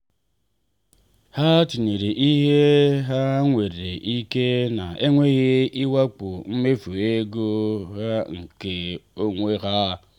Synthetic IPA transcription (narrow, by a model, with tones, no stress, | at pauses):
ha˦ti˨ne˨ɾe˨ʔi˦ɦe˦ɦa˦ŋʷe˨ɾe˨ɾe˨ʔi˦ke˦na˨ʔe˦ŋʷe˦ɣe˦i˦wa˦k͡po˨m̩˦me˦fu˨e˦ɡo˦ɣa˦ŋ̩˨ke˨o˦ŋʷe˦ɣa˦˨